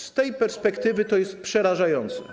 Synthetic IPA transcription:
st̪ɛjpɛɾspɛkt̪ɘvɘt̪ɔjɛst̪̚pʂɛɾaʐajɔnt̪sɛ̰

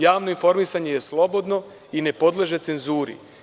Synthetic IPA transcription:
jaːʋno̞info̞ɾmisaɲejeslˠo̞bo̞d̪no̞ | ine̞po̞d̪lˠeʒe̞tse̞nzuːɾḭ

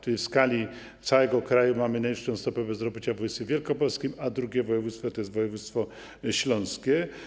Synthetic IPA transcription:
t̪ɛjfskalʲi | t̪sawɛɡɔkɾajumamɘnajʂɔ̃w̃st̪ɔpɛbɛzɾɔbʲit͡ɕavujst̪fʲevʲjɛlkɔpɔlskʲimad̪ɾuɡʲɛvɔjɛvut̪st̪fɔt̪ɔjɛst̪vɔjɛvut̪st̪fɔ | ɕlɔ̃ñskʲɛ

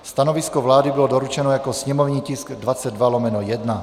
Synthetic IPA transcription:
st̪anoviskovlaːdibilodoɾut͡ʃɛnojakosɲɛmovɲiːcɪsɡdvat͡sɛd̪valɔmɛnojɛdna

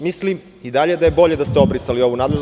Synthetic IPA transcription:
mislim | id̪aʎed̪aje̞bo̞ʎe̞d̪ast̪eobɾisalio̞ʋunaːd̪le̞ʒ

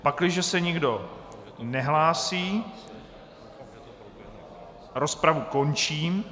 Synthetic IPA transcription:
paklɪʒɛsɛɲɪɡdo̞ | nɛɦlaːsiː | ɾospɾavuko̞nt͡ʃiːm

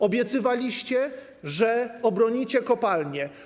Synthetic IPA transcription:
ɔbʲjɛt̪sɘvalʲiɕt͡ɕɛ | ʐɛɔbɾɔɲit͡ɕɛkɔpalɲɛ

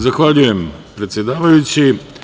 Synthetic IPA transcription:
zaxʋaːʎujɛmpɾɛt̪sʲjɛd̪aːʋajut͡ʃi

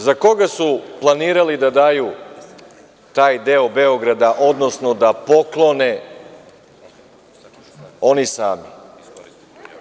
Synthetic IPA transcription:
zako̞ɡasuplˠaniːɾalid̪ad̪aju | t̪aːjd̪eobe̞oɡɾad̪aʔo̞d̪no̞snod̪apo̞klˠo̞ne | o̞nisaːmḭ

